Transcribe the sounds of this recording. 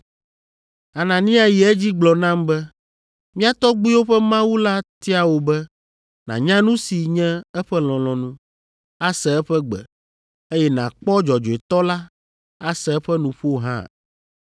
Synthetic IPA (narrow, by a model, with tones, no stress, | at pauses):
a˨nã˨nĩ˦a˨ji˨ɛ˦d͡ʑi˦ɡ͡blɔ˨nã˦mbɛ˦ | mĩ˦a˦t̪ɔ˦ɡ͡bu˦wo˦ɸɛ˦mã˦wu˦la˦t̪i˦a˦wo˨˦bɛ˦ | nã̰˨ɲã˦nũ˦si˨ɲɛ̃˦ɛ˦ɸɛ˦l̃ɔ̃˨lɔ̃˨nũ˦ | a˦sɛ˨ɛ˦ɸɛ˦ɡ͡bɛ̰˨ | e˦jɛ˦nã̰˨k͡pɔ˦d͡ʒɔ˨d͡ʒɔ˨e˨t̪ɔ˦la˦ | a˦sɛ˨ɛ˦ɸɛ˦nũ˨ɸo˦ɦã̰˦˨